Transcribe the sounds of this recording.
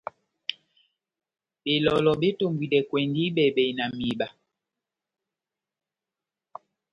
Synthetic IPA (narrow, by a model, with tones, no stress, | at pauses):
ɓe˨lɔ˨lɔ˨ɓe˦to˦˨mbwi˨dɛ˨kwɛ˨ndi˦ɓɛ˨bɛ˨i˨na˨mi˨ɓa˨